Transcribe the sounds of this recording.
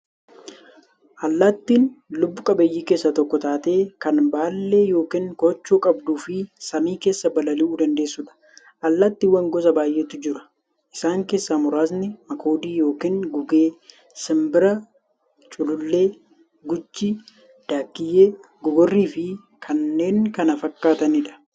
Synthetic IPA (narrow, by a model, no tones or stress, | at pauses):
ʔɐlːɐt̪ːinlʊbːʊkʼɐbɐjːiːkeːsːɐt̪ɔkːɔt̪aːt̪e̞ːkɐnbaːlːe̞ːjo̞ːkiːŋkɔt͡ʃːuːkʼɐbd̪uːfɪsɐmiːke̞ːsːɐbɐlɐlɪʔuːd̪ɐnd̪e̞ːsːʊᶑɐ̥ | ʔɐlːɐt̪ːɪwɐŋɡɔsɐbaːjʔeːt̪ʊd͡ʒɪɾɐ̥ | ʔɪsaːŋke̞ːsːɐmʊɾaːs̬nɪmɐkʰo̞ːd̪iːjo̞ːkiːŋɡʊɡe̞ː | sɪmbɪɾɐ | t͡ʃʼʊlʊlːe̞ː | ɡʊt͡ʃːi | d̪̥aːkːɪjːeː | ɡʊɡɔrːiːfɪ | kʰɐnːe̞ːŋkɐnɐfɐkːaːt̪ɐnɪᶑɐ̥